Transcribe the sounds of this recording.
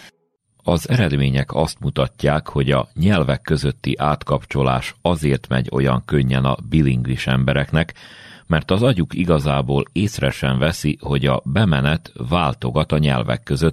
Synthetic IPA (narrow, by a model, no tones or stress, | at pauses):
ɒzɛɾɛd̪meːɲɛkɒst̪mut̪ɒcːaːkho̞ɟɒ̰ɲɛlvɛkːø̞zø̞t̪ːiʔaːt̪kɒpt͡ʃo̞la̰ːʃɒzeːrt̪mɛ̰ɟo̞jɒ̰ŋkø̞ɲːɛnɒ̰biliŋɡliʃɛmbɛɾɛkn̪ɛkmɛrt̪ɒzɒɟukiɡɒzaːboːleːsrɛʃɛɱvɛsiho̞ɟɒbɛmɛnɛt̪vaːlt̪o̞ɡɒt̪ɒɲɛ̰lvɛ̰kːø̞zøt̪